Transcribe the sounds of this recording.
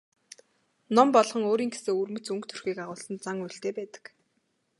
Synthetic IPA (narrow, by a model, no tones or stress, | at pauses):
nɔmpɔɮχɞ̆ŋoːɾiːŋɡeseːurmɵ̆t͡sɵŋkt̪ʰɵ̥rxiːkaʁʊːɮsə̆nt͡saŋujɬt̪eːpæːt̪ə̥̆k